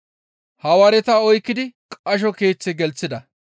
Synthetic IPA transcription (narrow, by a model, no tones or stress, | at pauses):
hɐwaɾɛt̪aɔjkːɪd̪ɪkʼɐʃ̬ɔke̞ːt͡sːɛɡɛlt͡sːɪd̪ɐ